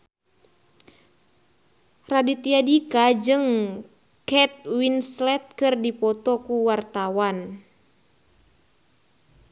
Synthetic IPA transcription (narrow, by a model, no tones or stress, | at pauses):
radit̪iadikad͡ʒɨŋ | kɛt̪̚winslɛt̪̚kɨrdipɔt̪ɔkuwart̪awan